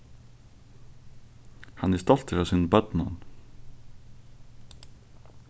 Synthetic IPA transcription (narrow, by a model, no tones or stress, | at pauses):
hanɪst̪ɔl̥t̪əɾaːsiːnbœt̪nan